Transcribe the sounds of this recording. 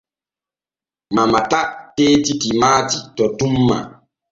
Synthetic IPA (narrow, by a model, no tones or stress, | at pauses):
mamatateːtitimatitɔtumːa̰